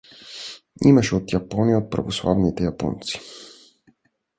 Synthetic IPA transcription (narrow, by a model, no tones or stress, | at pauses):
imaʃɛot̪japɔniaot̪̚pɾa̰voslˠa̰vnit̪ɛjapɔ̰nt̪si̥